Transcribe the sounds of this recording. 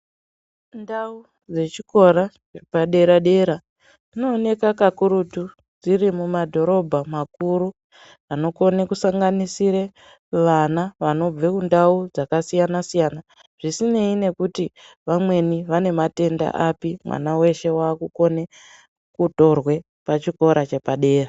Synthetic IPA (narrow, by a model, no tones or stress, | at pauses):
ndau | d͡ze̞t͡ʃiko̞ɾa | paɗe̞ɾaɗe̞ɾa | d͡zino̞ːne̞kakakuɾutu | d͡zirimumadʱo̞ɾo̞bʱamak̚uɾu | ano̞ko̞nekusaŋɡanisiɾe | ʋanaʋano̞b͡vekundaud͡zakasijanasijana | ʐ̥isine̞ine̞kuti | ʋamwe̞niʋane̞mate̞nda̰ʔapimwa̰nawe̞ʃe̞waːkuko̞ne | kuto̞rwe̞ | pat͡ʃiko̞ɾʔat͡ʃepaɗe̞ːra